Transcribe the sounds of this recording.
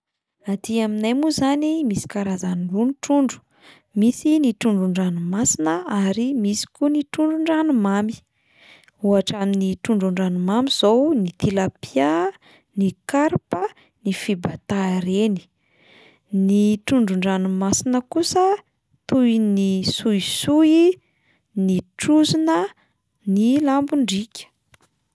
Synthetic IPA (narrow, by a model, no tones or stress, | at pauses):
nat̪iaminajmuzanimisi̥kaɾazanlunʈ͡ʂuɳɖ͡ʐu̥ | misiniʈ͡ʂuɳɖ͡ʐuɳɖ͡ʐanumasinəaɾimisi̥kuniʈ͡ʂuɳɖ͡ʐuɳɖ͡ʐanumami̥ | uaʈ͡ʂaminiʈ͡ʂuɳɖ͡ʐuɳɖ͡ʐanumamiz̥ownit̪ilapia | nikaɾpə | nifibat̪aɾeni̥ | niʈ͡ʂuɳɖ͡ʐuɳɖ͡ʐanumasinəkusə | t̪ujnisuisui | niʈ͡ʂuzinə | nilambuɳɖ͡ʐikʲə̥